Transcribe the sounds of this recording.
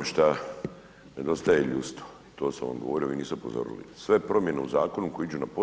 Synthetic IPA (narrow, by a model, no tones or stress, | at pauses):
ʃt̪a | ned̪o̞st̪ajeʎust̪o̥it̪o̞ːsamʋa̰mɡoʋo̞ɾioiːniːst̪eopo̞̰zo̰ɾḭlḭsʋe̞pɾo̞mje̞neuzaːko̞nukojiid͡ʑunapo